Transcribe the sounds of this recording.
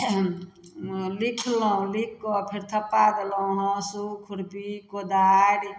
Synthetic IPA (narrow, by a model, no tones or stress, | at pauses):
likʰlɔ̃likːɔpʰiɾt̪ʰəpːad̪elɔũɦɔ̃sukʰuɾpikod̪aɽi